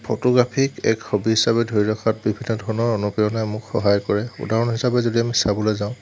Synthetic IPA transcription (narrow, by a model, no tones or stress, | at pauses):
pʰɔtɔɡɹapʰikɛ̰kxobiɦisabɛdʱoɹiɹɔkʰat̚bibʱinːɔdʱɔɹɔnɔɹonupɹijɔnɛmʊkxɔɦajkɔɹɛṵdaɹɔnɦisabɛzodiamisabɔlojzãʊ̃